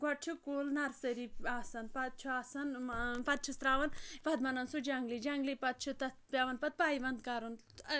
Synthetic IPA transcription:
ɡɐʈ̚t͡ʃʰukoːlnɐɾsɐɾiaːsɐnpɐt̪̚t͡ʃʰuaːsɐnpɐt̪̚t͡ʃʰust̪ɾaːʋɐnpɐd̪mɐnɐnsud͡ʒɐŋɡlid͡ʒɐŋɡlipɐt̪̚t͡ʃʰut̪ɐpʲjaːʋɐnpɐt̪̚paːiʋɐnd̪kaɾun

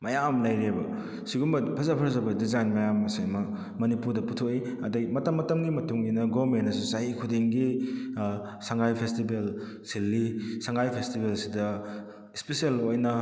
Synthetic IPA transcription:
mɐjamlɐjɾebɐ | siɡumbɐpʰɐzɐpʰɐɾzɐbɐdizajnmɐjamːɐsemɐ | mɐnipuɾdɐputʰokiɐdɐɡimɐtɐmːɐtɐmɡimɐtuŋɡinɐɡoɾmenɐsusaɦikʰudiŋɡi | saŋɡajpʰestibel | silːisaŋɡajpʰestibelsidɐ | ispesielojnɐ

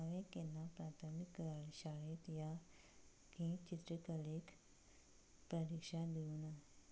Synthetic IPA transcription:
aʋẽkenːapɾat̪ʰəmikəɭɕaɭet̪ja | kĩt͡ɕit̪ɾəkəlek | pɾəɾikʂad̪iuna

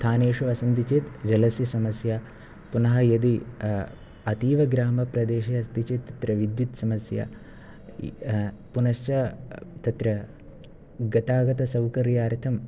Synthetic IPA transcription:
t̪ʰaːneːʂuʋɐsɐnd̪it͡ʃeːt̪d͡ʒɐlɐsjɐsɐmɐsja | punɐɦɐjɐd̪i | ɐt̪iːʋɐɡɾaːmɐpɾɐd̪eːʃɐɐst̪it͡ʃet̪ːɐt̪ɾɐʋid̪jut̪sɐmɐsja̰ | punɐʃt͡ʃɐt̪ɐt̪ɾɐ | ɡɐt̪aːɡɐt̪ɐsɐwkɐɾjaːɾt̪ʰɐm

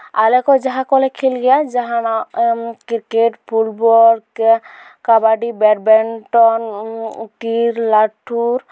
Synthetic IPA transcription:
a̰lɛkɔzaɦakɔlɛkʰilɡɛjazaɦanɔkikeʈpʰulbɔɾ | kabaɖibɛʈ̚bɛnʈɔnʈiɾlaʈʰːuɾ

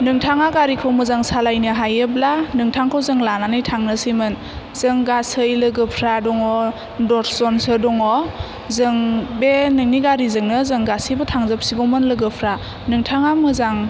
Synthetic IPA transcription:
nɯŋtʰaŋaɡaɾikʰawmɯzaŋsalajnɯɦajɯb̚lanɯŋtʰaŋkʰawzɯŋlananɯjtʰaŋnɯsimɯn | z̥ɯŋɡasɯjlɯɡɯpʰɾadɔŋɔ | dɔɾʰzɔnsɯdɔŋɔ | zɯŋbenɯŋniɡaɾizɯŋnɯzɯŋɡasibɯtʰaŋzɯp̚siɡɔmɯnlɯɡɯpʰɾa | nɯŋtʰaŋamɯzaŋ

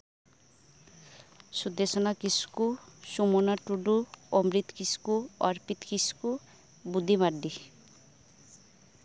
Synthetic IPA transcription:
sud̪esɔnakiskusumonaʈuɖuɔmɾit̪kiskuɔɾpit̪kisku | bud̪ʱimaɾɖi

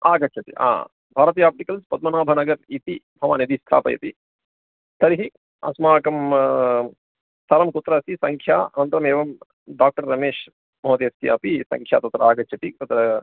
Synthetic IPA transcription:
aːɡɐt͡ʃʰɐt̪ḭʔa̰ː | bʱaːɾɐt̪ijaːp̚ʈikɐlspɐd̪̚mɐnaːbʱɐnɐɡɐɾit̪ibʱɐʋa̰ːnid̪ist̪ʰa̰ːpɐ̰jɐ̰t̪i | t̪ɐɾiɦi | ɐ̰smaːkɐm | sɐɾɐmkut̪ɾɐsisɐŋkʰjaːɐ̰nɐnt̪ɾɐmeːʋɐm | ɖaːk̚ʈɐɾːɐmeːʃ | mɐɦɐt̪eːst̪jɐpisɐ̰ŋkʰja̰ːt̪ɐt̪ɾɐaːɡɐt͡ʃʰɐt̪it̪ɐt̪ɾɐ

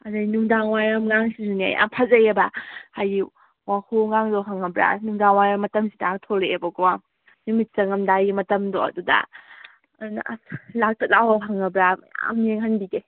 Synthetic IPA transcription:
anajnuŋdaŋwajɐmŋaŋsizunea̰ja̰ŋpʰazɐjebahaji | wahoŋaŋdoɦaŋɐbɾa̰nuŋdaŋwajɾamɐtɐmsidaaŋtʰɔleebɐɡowa | numit̚t͡ʃɐŋɐmdajimɐtɐmdoɐ̰dudɐ̰ | ɐduna̰lak̚tɐk̚lawaɦaŋɐbɾaja̰meŋɦanbiɡe

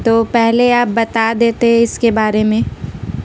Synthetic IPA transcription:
t̪oːpɛɦleaːp̚bɐt̪ad̪eːt̪eɦɛ̃ɪskebaːɾemẽː

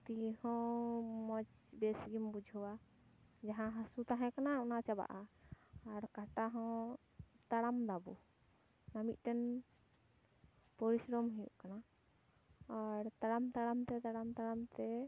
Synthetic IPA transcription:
t̪ihɔ̃mɔt͡ʃ | bɛsɡimbud͡ʒʱɔwa | d͡ʒaɦãɦasut̪aɦɛ̃kanaɔnat͡ʃaba̰ʔaː | ɾkaʈaɦɔ̃ | t̪aɽamd̪abu | namit̪̚ˀʈɛn | pɔɾisɾɔmɦɛjṵʔkana | aɾt̪aɽamt̪aɽamt̪ɛt̪aɽamt̪aɽamt̪ɛ

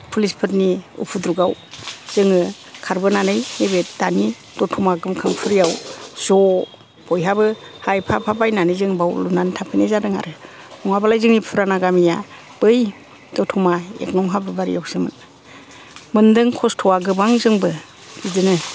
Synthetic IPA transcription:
pʰulispʰɯtniṵpʰudɾuɡawz̥ɯŋɯ | kʰaɾbɯnanɯjnebetdani | d̥ɔtʰumaɡɯmkʰɯmpʰɯɾijawz̥ɔ | b̥ɔjɦabɯ | hajpʰapʰabajnanɯzɯŋbawlunantʰapʰɯnezadɯŋa̰ɾɯ | mɔŋabalajzɯŋnipʰɯɾanaɡamija | b̥ɯj | dɔtʰumaḛknɔŋɦabɯbaɾḭjawz̥ɯmɯ̰n | mɯndɯŋkʰɔstʰɔwaɡɯbaŋzɯŋbɯ | b̥idɯnɯ

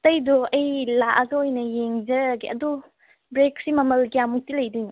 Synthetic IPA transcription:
tɐjdɔɐjlaʔɐɡɐojnɐjeŋzɐɾɡiɐdu | bɾek̚simɐmɐlɡiamuk̚tilɐjdijnu

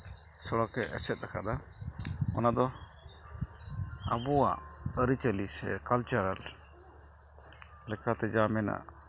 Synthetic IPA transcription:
sɔɽɔkɛʔɛsɛt̪̚lakʰad̪a | ɔnad̪ɔ | a̰bɔwa̰ʔəɾit͡ʃəlisɛ̰kalt͡ʃaɾal | lɛkʰat̪ɛd͡ʒamɛna̰ʔ

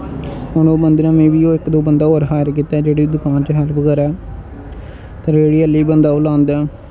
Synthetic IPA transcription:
ɦʊnoːbənd̪nãːmẽːʋiːoːɪkd̪oːbənd̪aːoːɾɦaːɾkiːt̪aːd͡ʒeːɽiːd̪ʊkaːnt͡ʃəɦɛlpʰkəɾɛː | t̪əɾeːɽiːəlːiːbənd̪aːʊlãːnd̪ɛː

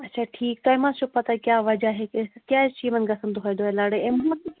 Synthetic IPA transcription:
ɐtːt͡ʃʰaːʈʰiːkt̪oẽmãt͡ʃupɐt̪akjaːʋɐd͡ʒaɦekkjaːʃiːmɐ̃nɡɐsə̃nd̪oɦoẽd̪oelaːɽeemam

